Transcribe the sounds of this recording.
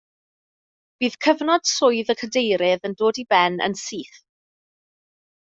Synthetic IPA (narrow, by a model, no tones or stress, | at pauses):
b̥iːð̥kʰəvnɔd̥sʊɨðəkʰədejɾɪðəndoːdibɛnə̰nsiːθ